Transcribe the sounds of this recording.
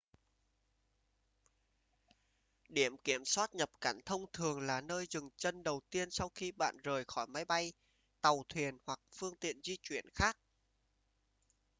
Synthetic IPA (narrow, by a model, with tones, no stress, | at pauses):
ɗi˧˩əmki˧˩əmswaː˦˥t̚ɲə˨˩p̚kaː˧˩nt̪ʰə˧wŋ͡mt̪ʰɨ˨˩əŋlaː˨˩nəː˧jzɨ˨˩ŋt͡ɕə˧nɗə˨˩wt̪i˧ənsa˧wxi˧ɓa̰ː˧˨nzəː˨˩jxɔ˧˩jma˨˦jɓa˧j | t̪a˨˩wt̪ʰwi˨˩ənhwa˨˩k̚fɨ˧əŋt̪ḭ˧˨ənzi˧t͡ɕwi˧˩ənxaː˦˥k̚